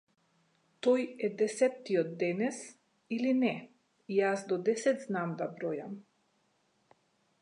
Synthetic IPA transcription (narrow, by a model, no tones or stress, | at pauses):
t̪ɔjɛd̪ɛsɛt̪ːiɔd̪ːɛnɛs | ilinɛ | ijasd̪ɔd̪ɛsɛt̪znamd̪abɾɔjam